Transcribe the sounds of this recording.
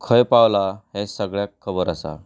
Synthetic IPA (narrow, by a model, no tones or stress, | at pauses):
kʰəjpawlaɦẽsəɡɭjakʰːəbəɾəsa̰